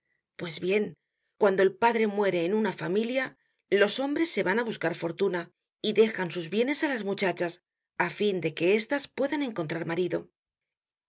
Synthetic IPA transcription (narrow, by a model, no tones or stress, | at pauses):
pwe̞zβje̞ŋ | kwand̪o̞e̞lpaðɾe̞mwe̞ɾe̞ːnunafamilja | lo̞so̞mbɾe̞sːe̞βanaβ̞uskaɾfo̞ɾt̪una | iðe̞xansuzβje̞ne̞salazmut͡ʃat͡ʃas | afind̪e̞ke̞e̞st̪aspwe̞ðane̞ŋko̞nt̪ɾaɾmaɾiðo̞